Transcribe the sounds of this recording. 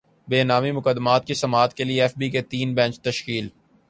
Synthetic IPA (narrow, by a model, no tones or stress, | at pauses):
beːnaːmimʊkəd̪ːmaːt̪̚kisɐmaːt̪kelieɛːfbiket̪iːnbɛ̃ːt͡ʃt̪ɐʃkiːl